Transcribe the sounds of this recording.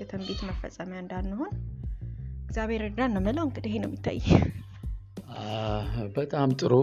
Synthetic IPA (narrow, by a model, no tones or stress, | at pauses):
ɛt̪ʰəmbet̪məfə̰sʼəmjaɨnd̪anːəhon | ɨɡzʲjaβeɾɨɾd̪anːəmələwɨŋɡɨd̪əɦenəwmjɪt̪ʰːa̰jːɛ | bət̪ʼamt̪ʼɨɾo